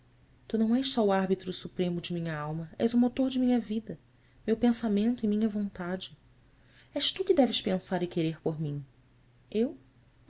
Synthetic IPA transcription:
t̪unɐ̃w̃ɛʃsɔʊaɦbit̪ɾʊsupɾẽmʊd͡ʒɪmĩɲɐawmɐɛ̰zʊmot̪oɾd͡ʒɪmĩɲɐvid̪ɐ | mewpẽsamẽnt̪ʊimĩɲɐvõnt̪ad͡ʒɪ | ɛʃt̪ukɪd̪ɛvɪʃpẽsaɾɪkeɾeɾpoɾmĩ | ew

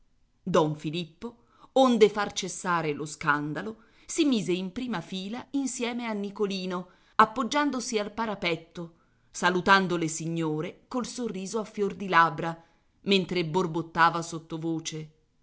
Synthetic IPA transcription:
d̪ɔɱfilipːo | ond̪efart͡ʃesːaːɾeloskand̪alo | simiːzeimpɾiːmafiːlainsjɛːmeanːikoliːno | apːod͡ʒːand̪osialpaɾapɛt̪ːo | salut̪and̪olesiɲːoːɾekolsorːiːzoafːjord̪ilabɾa | ment̪ɾeborbot̪ːaːvasot̪ːovoːt͡ʃe

